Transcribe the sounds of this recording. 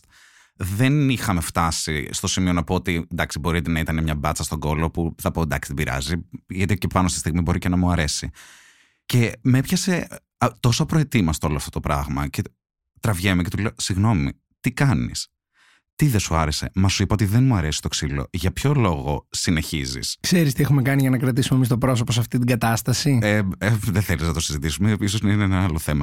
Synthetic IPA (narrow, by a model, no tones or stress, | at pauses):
ðe̞nixɐme̞ft̪ɐsist̪o̞simionɐpoot̪iend̪ɐksibo̞ɾit̪enɐit̪ɐnemɲɐbɐtt͡sɐst̪o̞ɡo̞lo̞puθɐpoend̪ɐ̰ksi̥ðebiɾɐ̰ziʝɐt̪icepɐnost̪ist̪iɣmibo̞ɾice̞nɐmuɐɾe̞si | ce̞me̞pçɐse̞ | t̪o̞sopɾoet̪imɐst̪o̞loɐft̪o̞t̪o̞pɾɐɣmɐce̞ | t̪ɾɐvʝemece̞t̪uleosiɣno̞mḭ | t̪ikɐnḭs | t̪iðesuɐɾese̞̰mɐsuipɐo̞t̪̬iðenmuɐɾe̞si̥st̪o̞ksilo̞̰ʝɐpço̞lo̞ɣo̞̰sine̞çizḭskse̞ɾist̪iexumekɐniʝɐnɐkɾɐt̪̬isumemist̪opɾo̞s̬oposɐft̪it̪̬iɡɐt̪ɐst̪ɐsieeðeθeliznɐt̪osizit̪isumeis̬ozninenɐɐlo̞θe̞mɐ